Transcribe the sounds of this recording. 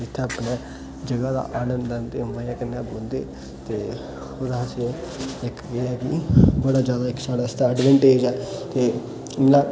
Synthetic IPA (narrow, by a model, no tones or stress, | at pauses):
ɪt̪ʰːeəpnɛ̃ː | d͡ʒəɡaːd̪a̰ːʔaːnə̃nd̪ənt̪eːməjãːkənːaːboːld̪ḛː | t̪eː | od̪aəseɪkeːɛːkɪ̰bəɽaːd͡ʒjaːd̪aːɪksaːɽaːst̪aːəɖʋɛ̃ːɳʈeːd͡ʒɛːt̪eː | naː